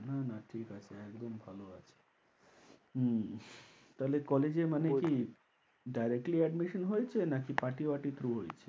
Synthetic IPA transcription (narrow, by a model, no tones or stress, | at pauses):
nanaʈʰikat͡ʃʰeɛkd̪ombʱaloat͡ʃʰe̥ | ɦ̩ | t̪alekɔled͡ʒeməneki | ɖajɾek̚ʈliɛɖmiʃənɦojt͡ʃʰenakipaʈibaʈit̪ʰɾuɦojt͡ʃʰe̥